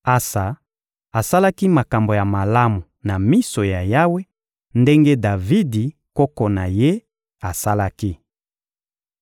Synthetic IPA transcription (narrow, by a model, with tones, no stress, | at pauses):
a˦sa˨ | a˨sa˦la˦ki˦ma˨ka˨mbo˨ja˨ma˨la˦mu˨na˨mi˦so˨ja˨ja˦we˦ | nde˦ŋɡe˦da˨vi˦di˨ | kɔ˦ko˨na˨je˦ | a˨sa˦la˦ki˦